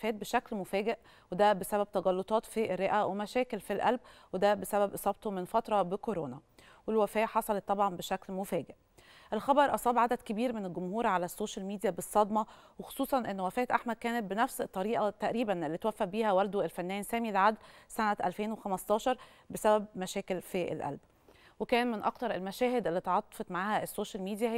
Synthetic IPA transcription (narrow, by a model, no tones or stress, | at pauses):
fæːt̪̚beʃæklmofæːɡeʔ | wed̪æbesæbæb̚t̪ɑɣɑlːot̪ˤɑːt̪fiʔerːeʔæwemæʃæːkelfilʔælb̚wed̪æbesæbæbʔesˤɑb̚t̪omenfɑt̪ɾˤɑbekoɾoːnæ | welwæfæːʔħɑsˤɑlet̪ˤːɑbʕɑnbeʃæklmofæːɡeʔ | ʔelxɑbɑɾˤʔɑsˤɑːbʕad̪æd̪kebiːɾmenelɡomhuːɾʕalæsːoːʃælmiːd̪ijæbesˤːɑd̪mɑwexo̥sˤuːsˤɑnʔenːwæfæːt̪ʔaħmæd̪̚kæːnet̪̚benæfset̪ˤːɑɾiːʔɑt̪ːæʔɾiːbænelːit̪wæfːæʔbiːhæwæld̪oelfænːæːnsæːmilʕad̪lsænæʔæ̰lfeːnwexæmɑst̪ˤɑːʃɑɾˤ | besæbæb̚mæʃæːkelfiʔḛlʔæ̰lb | wekæːnmɪnʔɑ̰kt̪ɑɾˤelmæʃæːhed̪ʔelːiːt̪ʕɑt̪ˤːɑ̥fet̪maʕaːhæʔesːoːʃælmiːd̪ijæ